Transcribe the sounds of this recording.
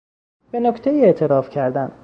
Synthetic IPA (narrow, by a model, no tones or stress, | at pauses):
b̥e̞nokt̪ʰejiːe̞ʔt̪ʰe̞ɾɒːfcʰæɾd̪æn